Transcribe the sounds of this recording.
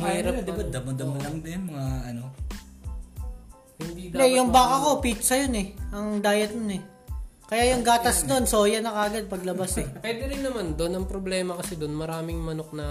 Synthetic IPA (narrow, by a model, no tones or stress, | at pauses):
mɛɾɐd̪ɪbad̪ɐmɐd̪ɐmɐlɐŋd̪ɐnmɐŋaɐno | hɪnd̪id̪ɛjjʊŋbaːkɐko̞pit̪sɐjonɛɐŋd̪aːjɐt̪̚monɛ | kɐjaːjʊŋɡaːt̪ɐsd̪o̞nso̞ːjɐnɐkaːɡɐd̪̚pɐɡlɐbasɛpwɛːd̪ɛɾɪnːɐmand̪onɐŋpɾoblɛːmɐkɐsɛd̪onmɐɾaːmɪŋmɐnok̚nɐ